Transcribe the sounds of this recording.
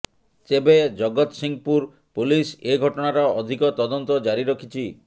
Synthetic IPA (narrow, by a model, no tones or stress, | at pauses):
sebed͡ʒɔɡɔt̪siŋɡpuɾ | puliseɡʱɔʈɔɽ̃aɾɔɔd̪ʱikɔt̪ɔd̪ɔnt̪ɔd͡ʒaɾiɾɔkʰit͡ʃʰi